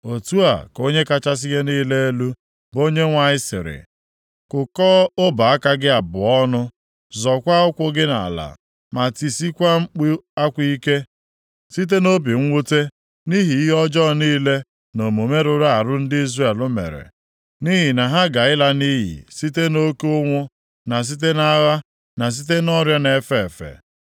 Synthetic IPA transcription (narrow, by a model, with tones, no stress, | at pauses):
o˨tu˦a̰˨ko˦ɲe˦ka˦t͡ʃa˦s̬ɪ˦ɣe˦niː˦le˦e˦lu˦ | bo˦ɲe˦ŋʷa˨˦ɪ˦sɪ̰˨ɾɪ̰˨ | kʊ˨kɔ˦o˦ba˨a˦ka˦ɡɪ˦a˨bʊ˨ɔ˦nʊ˦ | zɔ˨kʷa˦ʊ˦kʷʊ˦ɡɪ˦na̰˨la̰˨ | ma˨ti˨si˦kʷa˦ŋ͡m̩˦k͡pi˦a˦kʷi˦i˦ke˦ | si˦t̬e˦no˦b̬i˨ŋ̩˦ŋʷu˦te˦ | ni˦ɦi˨i˦ɦɔ˦d͡ʒɔ˦niː˦le˦ | no˨mo˨me˦ɾʊ˦ɾa˦a˨ɾʊ˦n̩˦dɪ˦i˦zra˦˨e˨lʊ˦mḛ˨ɾḛ˨ | ni˦ɦi˨na˨ɦa˦ɡa˨ɪ˦la˦ni˦ɦḭ˨si˦te˦no˦kʊ˦ŋʷʊ˦ | na˨s̬i˦t̬e˦na˦ɣa˦ | na˨s̬i˦t̬e˦nɔ˦ɾja˦ne˨fe˨fḛ˨